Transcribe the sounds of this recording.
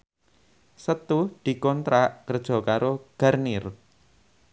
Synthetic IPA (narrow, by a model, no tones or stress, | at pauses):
sət̪ud̪̥i̤kɔnt̪ɾaʔkərd̥ʒ̥ɔ̤kaɾoɡ̥arnɪr